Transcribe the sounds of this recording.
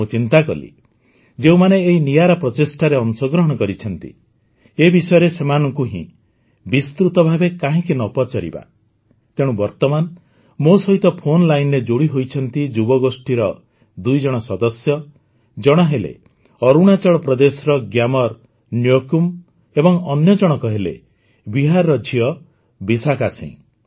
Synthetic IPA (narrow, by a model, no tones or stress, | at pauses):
ut͡ʃint̪akɔ̰lḭ | d͡ʒeũmaneːɦinijaɾapɾɔt̪esʈaɾeɔnsɔɡɾɔɦɔɽ̃ɔkɔɾit͡ʃʰɔnt̪ḭ | ebisɔjɔɾesemanɔŋkuɦḭ̃ | bist̪ɾut̪ɔbʱabekaɦĩkinɔpɔt͡ʃɔɾḭba̰ | t̪eɽ̃ũbɔɾt̪ɔman | mosɔɦit̪ɔpʰonlajnɾed͡ʒoɽiɦojt͡ʃʰɔnt̪id͡ʒubɔɡosʈiɾɔ | d̪ujd͡ʒɔɽ̃ɔsɔd̪ɔsjɔ | d͡ʒɔɽ̃ɔɦelḛ | ɔɾuɽ̃at͡ʃɔɭɔpɾɔd̪esɾɔɡjamɔɾ | njokum | ebɔŋɔnjɔd͡ʒɔɽ̃ɔkɔɦelḛ | biɦaɾːɔd͡ʒʱiɔ | bisakasḭ̃